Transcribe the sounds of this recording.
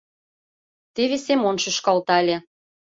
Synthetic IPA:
t̪eβesemonʃyʃkɑlt̪ɑlʲe

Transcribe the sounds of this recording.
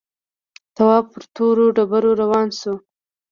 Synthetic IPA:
t̪awɑb̚pəɾt̪oɾoɖabaɾoɾawɑnsu

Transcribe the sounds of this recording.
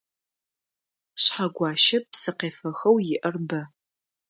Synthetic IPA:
ɕħaɡʷɑːʃɐpsɨqeːfɐxɐwjɪʔɐrbɐ

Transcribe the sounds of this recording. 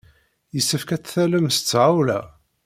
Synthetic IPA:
jəsːəfkæt͡sːθæləmst͡sːʕawlæ̰

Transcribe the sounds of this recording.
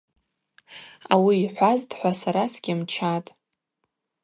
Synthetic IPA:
a̰wiːħʷaztʼħʷasaɾasɡʲɪmt͡ʃʰatʼ

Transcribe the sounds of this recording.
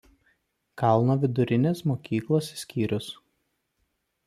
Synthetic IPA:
kɐlˠnoːʋʲɪd̪ʊɾʲɪnʲeːsmoːkʲiːklˠoːssʲkʲiːɾʲʊs

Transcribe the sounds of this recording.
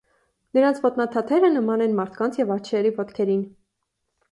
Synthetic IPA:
nəɾɑnt͡sʰvɔt̪nɑt̪ʰɑt̪ʰɛɾənəmɑnɛnmɑɾt̪ʰkɑnt͡sʰjɛvɑɾt͡ʃʰɾɛɾivɔt̪kʰɛɾin

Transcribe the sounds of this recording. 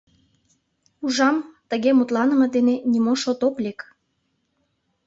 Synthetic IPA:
uʒɑmt̪əɣemut̪lɑnəmɤ̆d̪enenʲimoʃot̪oklʲek

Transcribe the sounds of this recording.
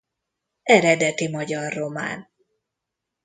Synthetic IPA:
ɛɾɛd̪ɛt̪imɒɟɒrːo̞ma̰ːn

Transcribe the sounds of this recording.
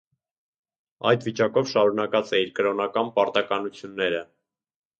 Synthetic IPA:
ɑjd̪vit͡ʃɑkɔvʃɑɾunɑkɑt͡sɛiɾkəɾɔnɑkɑnpɑɾt̪ɑkɑnut͡sʰjunːɛɾə

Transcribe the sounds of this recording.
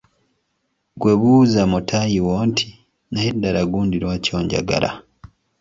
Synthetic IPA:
ɡwe̞βuzamutʰajiwo̞ːntʰi̥ | najedːaɾaɡuːndiɾwaːco̞ːɲɟa̰ɡa̰ɾa̰

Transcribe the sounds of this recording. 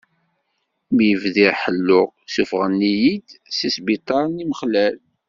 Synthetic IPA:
mjəvðiħəlːʊʁsufʁənːijid̪sisbit̪ˤɑɾˤniməχlæl

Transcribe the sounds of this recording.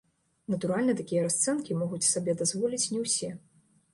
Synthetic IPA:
nɐt̪uɾalʲnɐt̪akʲijɐɾast̪sɛnkʲimɔɣut͡sʲsabʲɛd̪azvɔlʲit͡sʲnʲɛwsʲɛ

